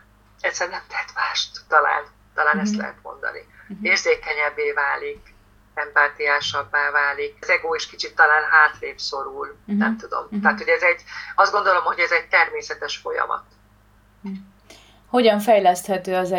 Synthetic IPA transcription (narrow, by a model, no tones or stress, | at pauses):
ɛt̪sɛrnɛmt̪ɛɦɛt̪maːʃt̪ːɒla̰ːn | t̪ɒlaːnɛst̪lɛ̰ɦɛ̰t̪mo̞̰nd̪ɒ̰nḭeːrzeːkɛɲɛbːeːvaːlik | ɛmpaːt̪ijaːʃɒbːaːvaːlikzɛɡoːeʃkit͡ʃit̪ːɒlaːnɦaːt̪leːpso̞ɾulnɛmt̪ud̪o̞̰mt̪aːt̪ho̞ɟɛzɛɟɒzd̪ɡo̞nd̪o̞lo̞mho̞ɟɛzɛɟ̚t̪ɛrmeːsɛt̪ɛʃfojɒ̰mɒ̰t̪ | ho̞ɟɒɱfɛjlɛst̪hɛt̪øːɒzɛ